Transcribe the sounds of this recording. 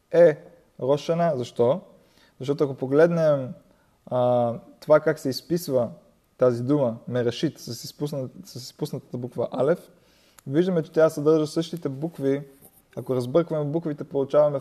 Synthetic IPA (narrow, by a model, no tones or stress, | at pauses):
ɛ | ɾɔʃɛnəzɐʃt̪ɔ | zɐʃt̪ɔt̪oɐkopoɡlɛd̪nɛm | t̪ovakaksɛispisvə | t̪azid̪uməmɛɾɐʃit̪sssɐsispusnət̪ə̥t̪əbukvəʔalɛf | viʒd̪əmɛt͡ʃɛ̥t̪jʲasɐd̪ɤɾʒɐsɤʃt̪it̪ɛbukvi | ɐkoɾɐzbɤɾkvɐmɛbukvit̪ɛpolˠut͡ʃavɐmɛ